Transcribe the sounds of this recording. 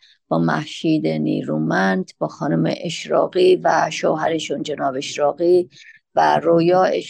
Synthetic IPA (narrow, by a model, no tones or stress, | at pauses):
b̥ɒːmæ̰hʃiːd̪enḭːɾuːmænd̪b̥ɒːxɒːnumḛʔeʃɾɒ̰ːɣiːvæʃoːɦæɾeʃund͡ʒenɒːbeeʃɾɒːɣiː | væ̰ɾoːjɒːeʃ